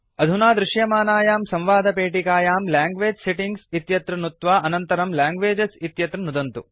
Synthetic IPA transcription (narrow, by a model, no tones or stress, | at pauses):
ɐd̪ʱunaːd̪ɾiʃjɐmaːnaːjaːmsɐ̃mʋaːd̪ʱɐpeːʈikaːjaːmlaːŋɡʋeːd͡ʒseʈiŋɡsit̪jɐt̪ɾɐnut̪ʋaːʔɐnɐnt̪ɐɾɐmlaːŋɡʋeːd͡ʒɐsit̪jɐt̪ɾɐnud̪ɐnt̪u